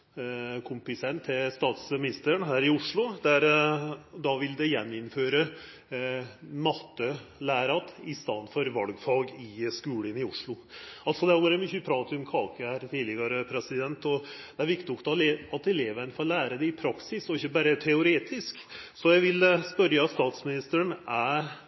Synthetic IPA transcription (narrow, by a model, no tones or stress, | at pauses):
kʰʊmpɪsɛnt̪ʰːɛst̪ɑːt̪smɪnɪst̪əɾənɦæːɾɪʊʂɭʊd̪æɾ | d̪ɑʋɪld̪ɛjɛnːɪnføːɾə | mɑt̪ːəlæːɾɑt̪ɪst̪ɑnd̪fɔɾʋɑlɡfɑːɡɪskʉːlɪnɪʊʂɭʊ | ʔɑlt̪sɔd̪ɛæɾɔɾɛmʏçəpʰɾɑːt̪ʊmkʰɑːkəhæɾt̪ʰiːlɪɡɑɾəpʰɾɛsɪd̪ɛnt̪ɔd̪̥ɛæɾʋɪkt̪ɪɔkt̪ɑleɑt̪ɛleːʋənfɔɾlæːɾəd̪ɛɪpʰɾɑksɪsɔɪçːəbæːɾət̪ʰɛʊɾeːt̪ʰɪsksɔjæɪʋɪlspœɾjɑt̪st̪ɑːt̪smɪnɪst̪əəɳæɾ